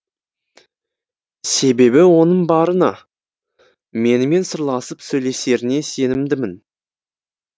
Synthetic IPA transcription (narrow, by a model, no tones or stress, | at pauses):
se̞be̞bɪwo̞nəɴbɑɾənɑ | me̞nɪme̞nsəɾlˠɑsəpsɵjle̞se̞ɾɪne̞se̞nɪmd̪ɪmɪn